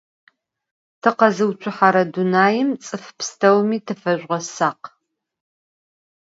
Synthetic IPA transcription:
tʰɨqɐzɨwt͡ʃʷʰʊħaɾɐdunaːjɪmt͡sʼɨfpstʰɐwmiːtʰɨfɐʒʷʁɐsaːq

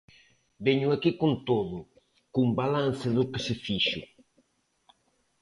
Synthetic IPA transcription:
bɛɲʊakikont̪oðʊ | kumbalan̟θɪðʊkɪsɪfiʃʊ̰

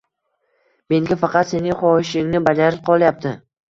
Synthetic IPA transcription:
me̞ŋɡʲafɑqɑt̪se̞nɪŋχɒɪʃɪŋnɪbad͡ʒaɾɪp̚qʰɒlˠjap̚t̪ʰɪ

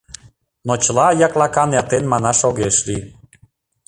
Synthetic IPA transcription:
not͡ɕəlɑjɑklɑkɑnjɑt̪enmɑnɑʃoɣeʃli

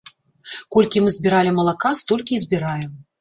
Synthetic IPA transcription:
kɔlʲkʲimɨzʲbʲiɾalʲimɐlˠakast̪ɔlʲkʲizʲbʲiɾajɛm

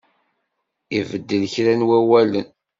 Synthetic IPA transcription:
ivəd̪ːəlçɾænwæwælən

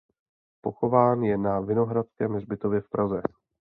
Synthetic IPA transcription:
po̞xo̞vaːnjɛnavɪno̞ɦɾat̪skɛːmrbɪt̪ovjɛfpɾazɛ

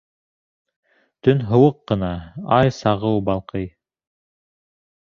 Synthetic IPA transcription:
t̪ɵnɦɤ̆wɤqːɤ̆nɑɑjsɑʁɤwbɑlˠqɤj

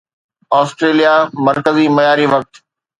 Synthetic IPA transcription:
aːsʈɾeːlijamɐɾkəzimɐjaːɾiʋɐk̚t̪

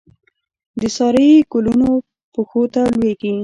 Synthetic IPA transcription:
d̪əsɑɾəjkoluno | poxot̪alweɡi

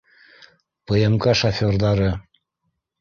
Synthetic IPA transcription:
pɤ̆emkɑʃafʲorðɑɾɤ

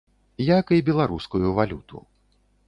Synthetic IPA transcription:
jakibʲɛlˠaɾuskujuvalʲut̪ṵ

